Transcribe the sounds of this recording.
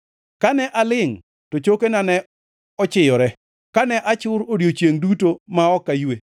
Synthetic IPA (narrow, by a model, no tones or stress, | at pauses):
kanɛʔalɪŋ | tot͡ʃokenanɛ | ɔt͡ʃɪjɔɾɛ | kanɛʔat͡ʃʊɾodjot͡ʃjeŋdutomaɔkːajwe